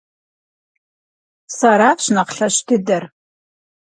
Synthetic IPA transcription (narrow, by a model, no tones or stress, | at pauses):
saɾaːfɕnɐqɬɐɕtʰɨdɐr